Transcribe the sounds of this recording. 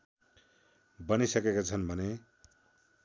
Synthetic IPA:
bʌnisʌkekat͡sʰʌnbʱʌne

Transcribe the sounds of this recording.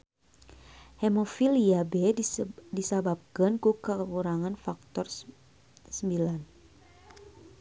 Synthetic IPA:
hɛmofiliabɛdisabap̚kənkukəkuɾaŋanfak̚t̪ɔr | səmbilan

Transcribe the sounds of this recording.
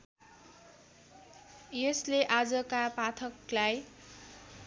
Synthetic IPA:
jesleʔad͡zʌkapat̪ʰʌklaj

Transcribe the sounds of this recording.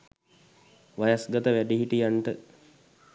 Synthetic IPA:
ʋajasɡət̪əʋæɖiɦiʈijanʈə

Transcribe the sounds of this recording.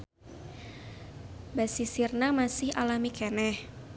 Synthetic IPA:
basisirnamasɪha̰lamikɛnɛh

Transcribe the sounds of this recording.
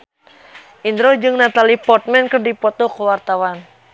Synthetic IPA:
ʔind̪ɾod͡ʒɨŋnat̪alipɔrt̪̚mɛnkɨrdipɔt̪ɔkuwart̪awan

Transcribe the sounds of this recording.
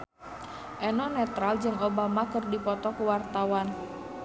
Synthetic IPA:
ʔɛnɔnɛt̪ɾald͡ʒɨŋobamakɨrdipɔt̪ɔkuwart̪awan

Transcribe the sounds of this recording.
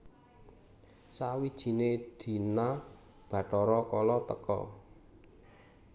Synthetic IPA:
sawid̥ʒ̥i̤ned̪̥i̤na | b̥ä̤ʈɔɾɔkɔlɔt̪əkɔ̰

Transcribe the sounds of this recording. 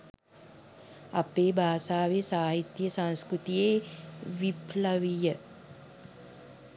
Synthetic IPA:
apeːbʱaːsaːʋesaːɦit̪jəsãnskɾut̪ijeːʋipləʋijə

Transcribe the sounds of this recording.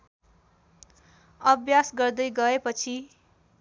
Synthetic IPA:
ʌbʱjasɡʌrd̪ʌjɡʌepʌt͡sʰi

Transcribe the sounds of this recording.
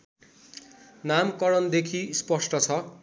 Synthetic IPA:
namkʌɽʌnd̪ekʰispʌsʈʌt͡sʰʌ

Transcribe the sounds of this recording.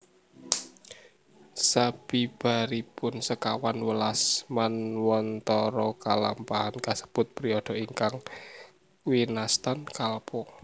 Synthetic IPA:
sab̥ib̥a̤ɾipʊnsəkawanwəlasmanwɔnt̪ɔɾɔka̰la̰mpaɦankasə̥b̥ʊt̪̚pɾiɔd̪̥ɔ̤iŋkaŋ | winast̪ankalpɔ

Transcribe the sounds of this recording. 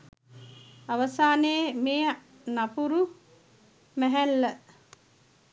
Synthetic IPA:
aʋəsaːneemeː | napuɾu | mæɦælːə

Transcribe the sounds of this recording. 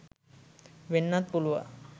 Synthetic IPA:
ʋenːat̪̚puluʋa̰

